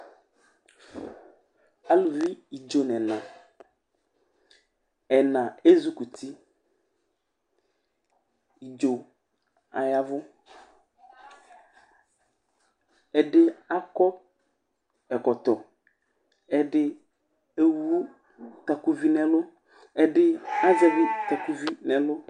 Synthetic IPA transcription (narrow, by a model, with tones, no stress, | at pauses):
a˦lu˨vi˦i˨d͡ʒo˨nɛ̃˨nã˨ | ɛ˨nã˨e˦zu˦ku˨t̪ʰi˦ | i˨d͡ʒo˨ | a̰˨ja˦vʊ˦ | ɛ˨dɪ˦a˦kɔ˦b | ɛ˨kɔ˨t̪ɔ˨ | ɛ˦ɖɪ˦ | e˦wu˦ | t̪a˨ku˦vi˦nɛ̃˨lʊ˦ | ɛ˦dɪ˦a˦za˦vi˦t̪a˨ku˦vi˦nɛ˨lʊ˦